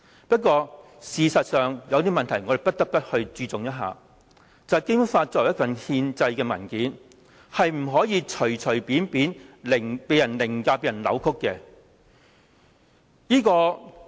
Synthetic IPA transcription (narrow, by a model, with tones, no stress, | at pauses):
pɐ˥t̚k̬ʷːɔː˧ | siː˨sɐ˨t̚sœː˨ŋjɐ˨˧wt̪iː˥mɐ˨nt̪ʰɐ˨˩jŋɔ˨˧ɾe˨pɐ˥t̚t̪ɐ˥k̚p̪ɐ˥t̚hɵ˧ɥt͡syː˧t͡sʊ˨ŋjɐ˥t̚ɦa̰ː˨ | t͡sɐ˨kɪ˥ŋfaː˧t̚t͡sɔː˧˨˩jɐ˥fɐ˨nhiː˧nt͡sɐ˧jkɛː˧mɐ̰˨˩nkiː˨˥n | hɐ˨jm̩˨˩ɦɔː˨˥jiː˨˧t͡ʃʰɵ˨˩t͡ʃʰɵ˨˩ɥpiː˨˥npiː˨˥nlɪ˨˩ŋpe˨˧jɐ˨˩nlɪ˨˩ŋkaː˧pe˨jɐ˨˩nlɐ̰˨˧wkʰʊ˥kːɛː˧ | jiː˥kɔː˧